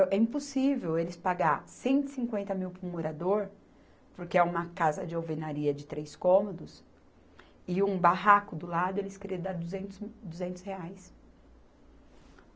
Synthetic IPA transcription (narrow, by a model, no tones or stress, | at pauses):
ɛĩposivewelɪspaɡaɾsẽnt̪ɪ̥sĩŋkwẽnt̪ɐmiwpɾʊɾmoɾad̪oɾ | poɾkeɛũmɐkazɐd͡ʒɪawvenaɾiɐd͡ʒɪt̪ɾeskõmod̪ʊs | ɪũbaɦakʊd̪ʊlad̪ʊelɪskɾed̪ad̪uzẽd̪uzẽnt̪ʊ̥sheajs